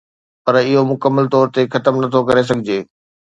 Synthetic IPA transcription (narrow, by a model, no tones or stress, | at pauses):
pɐɾɪɦomʊkəmːəlt̪ɔːɾt̪exɐt̪əmnɐt̪ʰokɐɾes̬ɐɡʱɪd͡ʑeː